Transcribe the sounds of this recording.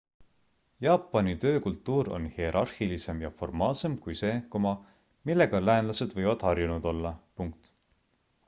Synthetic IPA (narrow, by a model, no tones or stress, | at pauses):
jɑːpːˑɑnit̪ø̞ːkult̪ˑːuːɾo̞̰nhie̞ɾʔɑrhilise̞mjɑfo̞rmɑːlse̞mkujse̞ːkomɑ | milːe̞ɡ̥ɑlæːnlɑse̞d̪̥vɤjvɑd̪̥hɑrjunud̪o̞lːɑpuŋk̚t̪